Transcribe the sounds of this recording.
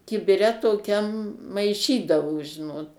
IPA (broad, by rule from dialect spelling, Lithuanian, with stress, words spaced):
kʲɪbʲɪˈrʲɛ toːˈkʲɛm mɐɪˈʃʲiːdɐʋoː ˈʒʲɪnoːt